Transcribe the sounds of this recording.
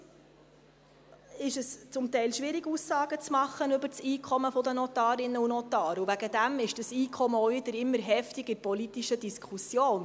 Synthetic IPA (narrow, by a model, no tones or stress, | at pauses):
ɪʃəst͡sʊmt̪ɛɪlʃʋɪɾɪɡusːɑːɡ̥ət͡smɑχːənʏbəɾt͡siːkʰɔməfɔd̪ənɔt̪ɑːɾɪnːəunɔt̪ɑːɾuvæɡəd̪æmɪʃd̥əsiːkʰɔməɔɪd̪əɾɪmːəɾɦɛftɪɡəpɔlit̪iʃədiskʰusjoːn